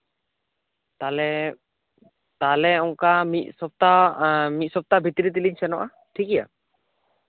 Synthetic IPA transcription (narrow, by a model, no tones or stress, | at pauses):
t̪alɛ | t̪alɛɔŋkamit̪̚sɔp̚t̪amit̪̚sɔp̚t̪abʱit̪iɾit̪̬iliɲsɛnɔʔa | ʈʰikija̰